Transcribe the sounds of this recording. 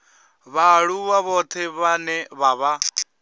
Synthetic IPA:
βaɺuwaβɔt̪ʰɛβanɛβaβa

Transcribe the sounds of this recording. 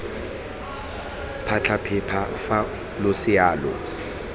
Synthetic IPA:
pʰat͡ɬʰapʰɪpʰafa | lʊsɪaːlɔ̰

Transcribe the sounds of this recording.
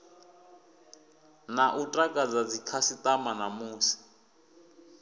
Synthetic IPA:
naʔutʼakʼad͡zad͡zikʰasit̪amanamuːsi̥

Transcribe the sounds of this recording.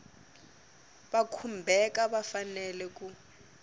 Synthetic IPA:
ɓakʰumbʱɛkaɓafanɛlɛk̬ʼu

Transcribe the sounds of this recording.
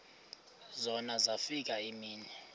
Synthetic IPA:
zɔnazafik̬ʼaimiːnɛ

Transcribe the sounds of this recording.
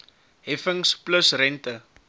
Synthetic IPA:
ɦɛfəŋspləsrɛntə

